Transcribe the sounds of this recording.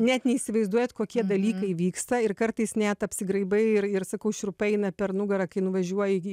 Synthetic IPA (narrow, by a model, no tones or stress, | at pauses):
nʲɛt̪nʲɛiːsʲɪʋɐɪzd̪uɔjɛt̪koːkʲiɛd̪ɐlʲiːkɐɪʋʲiːkst̪ɐɪrkɐɾt̪ɐɪsnʲɛt̪ɐpʲsʲɪɡɾɐɪbɐɪɪɾɪɾsɐkɐʊʃʲɾʊpɐɛɪnɐpʲɛɾnʊɡɐɾɐkɐɪnʊʋɐʒʲuɔjɪ